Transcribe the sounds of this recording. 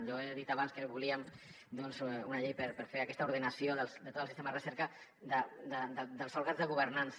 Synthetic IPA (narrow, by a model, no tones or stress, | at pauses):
ʒɔeðit̪aβanskəβuliəm | d̪ɔnzunəʎejpəɾpəɾfeakɛst̪əuɾðənəsioðəlˠsd̪ət̪ot̪əlˠsist̪emaðərəsɛɾkə | d̪əd̪əd̪əd̪əlsfolˠɣad͡zzðəɣuβ̞əɾnans